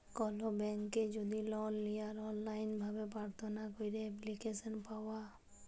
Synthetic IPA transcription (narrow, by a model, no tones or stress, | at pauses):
kɔlobɛŋkːed͡ʒod̪ilɔnlijaɾɔnlajnbʱabepɾaɾt̪ʰonakojɾeɛplikeʃɔnpawa